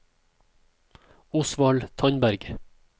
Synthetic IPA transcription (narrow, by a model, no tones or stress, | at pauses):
ʊsʋɑɭt̪ʰɑɲbæɾɡ